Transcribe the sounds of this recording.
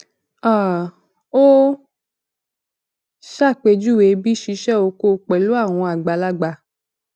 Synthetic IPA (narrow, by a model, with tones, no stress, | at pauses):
a˦˨ | o˦ | ʃa˦˨k͡pe˧d͡ʒu˦˨we˨˦bi˦ʃi˧ʃɛ˦o˧ko˧˨k͡pɛ˨lu˨˦a˦˨w̃ɔ̃˧a˨ɡ͡ba˧la˦ɡ͡ba˧